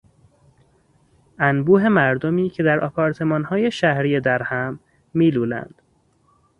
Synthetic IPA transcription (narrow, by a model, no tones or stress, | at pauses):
ænbuːɦe̞mæɾd̪omiːcʰe̞d̪æɾɒːpʰɒːɾt̪ʰe̞mɒːnhɒːje̞ʃæhɾiːjed̪æɾhæmː | iːluːlæ̰nd̪̥